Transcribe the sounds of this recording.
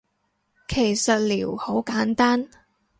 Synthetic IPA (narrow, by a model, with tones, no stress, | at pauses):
kʰe˨˩jsɐ˨t̚lḭː˨˩who˨˥wkaː˨˥nt̪aː˥n